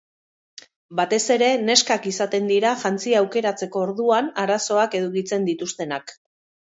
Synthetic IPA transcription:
bat̪e̞se̞ɾe̞ne̞skakisat̪e̞nd̪iɾaʝant͡siaːwke̞ɾat͡se̞ko̞ːɾðuanaɾaso̞ake̞ðukit͡se̞nd̪it̪ust̪e̞nak

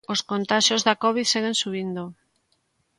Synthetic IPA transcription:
oskont̪aʃozðɐkɔβiðseɣensuβind̪o

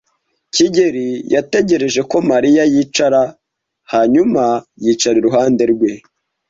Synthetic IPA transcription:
ciɟe̞ɾijate̞ɟe̞ɾe̞ʒe̞ko̞maɾijajiːt͡ʃaɾa | haɲumajiːt͡ʃaɾiɾuɦaːnde̞ɾɡwe̞

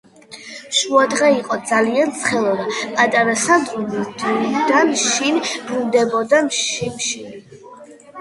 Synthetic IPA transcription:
ʃuad̪ʁɛiqʼɔd̪zaliant̪sʰχɛlˠɔd̪apʼat̪ʼaɾasad̪ɾulid̪id̪anʃinbɾund̪ɛbɔd̪amʃiʃin

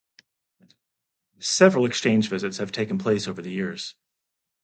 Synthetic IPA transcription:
sɛvɹl̩ˠɨkst͡ʃʰẽɪ̃nd͡ʒvɪzɨtshɨv̥tʰeɪkn̩pʰl̥eɪsoʊvə˞ðɨjɪɹz̥

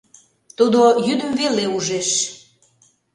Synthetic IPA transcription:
t̪ud̪ojyd̪əmveleuʒeʃ

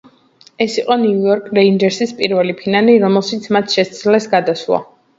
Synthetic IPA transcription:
ɛsiqʼɔniujɔɾkʼɾaind͡ʒɛɾsispʼiɾvɛlipʰinaliɾɔmɛlˠʃit̪sʰmat̪ʰʃɛst̪slɛsɡad̪aswa̰

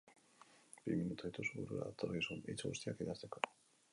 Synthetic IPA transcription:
b̥iminut̪ujt̪osuɣuɾuɾa̰t̪oɾɣisunejt͡soɣṵst̪iakiðaɾt͡s̪eko

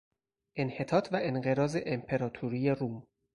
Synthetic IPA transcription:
ʔenhe̞t̪ʰɒːt̪ʰvæʔenɢe̞ɾɒːze̞ʔempʰe̞ɾɒːt̪ʰuɾijeɾuːm

